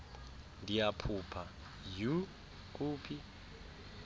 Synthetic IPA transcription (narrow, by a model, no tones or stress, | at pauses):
ndijapʰupʰa | ju | k̬ʼuːpʰi